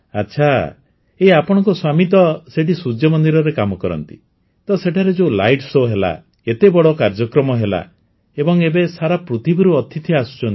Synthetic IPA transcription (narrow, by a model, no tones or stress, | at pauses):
atːʃʰa | eapɔɽ̃ɔŋkɔswamit̪ɔseʈisud͡ʒjɔmɔnd̪iɾɔɾekamɔkɔɾɔ̰nt̪ḭ | t̪ɔseʈʰaɾed͡ʒela̰jʈsoɦela̰ | et̪ebɔɽɔkaɾd͡ʒɔkɾɔmɔɦela̰ | ebɔŋebesaɾapɾut̪ʰibɔɾuɔt̪it̪ʰiasu̥t͡ʃɔn